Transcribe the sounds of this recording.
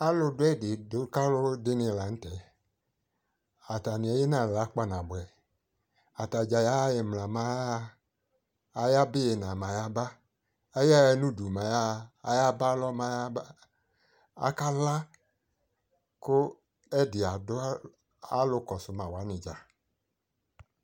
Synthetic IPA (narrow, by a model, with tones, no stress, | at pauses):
a˦lʊ˧dʊ˦ɛ˦˨dɪ˨dʊ˨˦ka˦lʊ˦dɪ˦nɪ˧˨la˨n̩˦tɛ˨ | a˨ta˨nɪ̃˨ɛ˨˦je˦nã˨la˨˦k͡pa˦nã˨bʊ˨ɛ˨ | a˨ta˨d͡ʒa˨ja˨˦je˨mla˨mã˨˦ja˦˨ | ja˦bɪ˦e˨nã˨ma˨ja˦ba˦ | e˦ja˦ɛ˨nũ˦du˨mã˨ja˦˨a˨ja˦ba˦lɔ˦ma˨ja˦a˦ | a̰˦ka˦la˦ | kʊ˦ | ɛ˦dɪ˨a˨dʊ˦ | a˦lʊ˦kɔ˨sʊ˨˦mã˨wa˨˦nɪ̃˨d͡ʒa˨